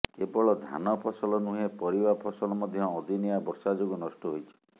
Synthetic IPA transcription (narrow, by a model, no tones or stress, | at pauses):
kebɔɭɔd̪ʱa̰nɔpʰɔsɔlɔnuɦepɔɾibapʰɔsɔlɔmɔd̪ʱjɔːd̪ʱinijabɔɾsad͡ʒoɡunɔsʈɔɦojt͡ʃʰi̥